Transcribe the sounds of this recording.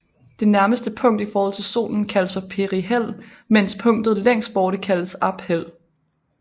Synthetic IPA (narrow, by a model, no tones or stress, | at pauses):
d̥e̝næɐməsd̥əpʰɔ̽ŋ̰d̥ifɒːhɒ̽l̰t͡sʰe̝so̝̰ːln̩kʰæləsfɒ̽pʰe̝ʁiɦel̰ | men̰spʰɔ̽ŋ̰d̥ð̞̩ˠleŋ̰sd̥̚b̥ɒːɾ̥əkʰæləsɑ̈b̥hel̰